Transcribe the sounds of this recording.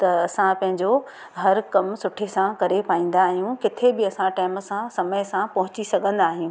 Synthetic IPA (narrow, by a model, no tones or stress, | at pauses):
t̪ɐɐsãpɐ̃ɦɪ̃ɲd͡ʑo | ɦɐɾkɐmsʊʈʰesãkɐɾepaːĩːn̆d̪aːɦijũkɪt̪ʰebɪɐsãʈaːɪmsãsɐməɪsãpɐɦʊt͡ɕisɐɠʱə̃nd̪aːɦijũː